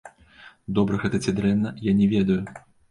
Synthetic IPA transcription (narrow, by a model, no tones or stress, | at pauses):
d̪ɔbɾɐɣɛt̪ɐt͡sʲɛd̪ɾɛnːɐjanʲɛvʲɛd̪ɐju